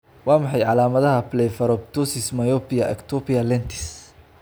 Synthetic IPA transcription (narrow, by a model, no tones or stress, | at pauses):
wɑːmɑħɑjʕɑlaːmɐðɐɦɐplɛjfɐɾɔb̚t̪ʰusɪsmɐjɔpɪjɐʔɛ̰kt̪ʰɔpiɐlɛnt̪ʰɪ̥s